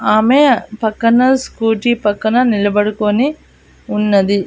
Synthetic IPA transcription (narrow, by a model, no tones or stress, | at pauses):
aːmepɐkːɐnɐskuːʈipɐkːɐnɐnilɐbɐɽukoni | unːɐd̪i